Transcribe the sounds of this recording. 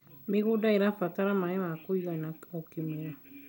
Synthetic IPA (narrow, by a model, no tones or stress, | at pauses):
mekodaiɾafataɾamajɛmakoikanaokimeɾa